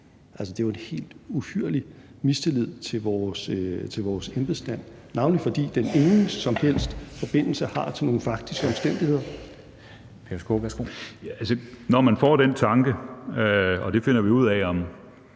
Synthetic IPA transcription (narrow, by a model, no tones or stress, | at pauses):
ʔælsəd̥e̝ʋɑe̝nhe̝̰ːld̥uhyɐ̰li | misd̥elið̞̰ˠt͡sʰe̝lʋɒːst͡sʰe̝lʋɒːsemb̥əsd̥æn̰ːnɑ̈ʊnlifɒ̽d̥ḭːd̥ene̝ŋn̩sɒ̽mhel̰sd̥fɒ̽b̥e̝n̰l̩səhɑ̈t͡sʰe̝lno̝ːn̩fɑ̈ɡ̥̚d̥isɡ̥əɒ̽msd̥en̰d̥ihe̝ð̰ˠɐ | pʰesɡ̥o̰ʋæɐsɡ̥o̰ælsənɒmænfɒ̰ːd̥ent͡sʰɑ̈ŋɡ̥ə | ɒ̽d̥e̝fe̝nɐʋiuð̞̰ˠɛɒm